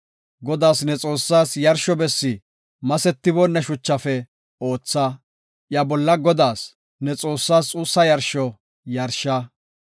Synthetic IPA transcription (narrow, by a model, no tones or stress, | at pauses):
ɡɔd̪aːsnɛt͡sʼo̞ːsːaːsjɐɾʃɔbɛsːɪ | mɐsɛt̪ːɪbɔnːɐʃʊt͡ʃːɐfɛ | o̞ːt͡sːɐ | ʔjɐbɔlːɐɡɔd̪aːs | nɛt͡sʼo̞ːsːaːst͡sʼuːsːɐjɐɾʃɔ | jɐɾʃɐ